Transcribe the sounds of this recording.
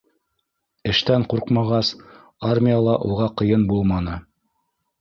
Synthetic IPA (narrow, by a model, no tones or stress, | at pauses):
ɘ̆ʃt̪æɴquɾqmɑʁɑs | armʲijalˠɑʔuʁɑqɤ̆jɤnbulˠmɑnɤ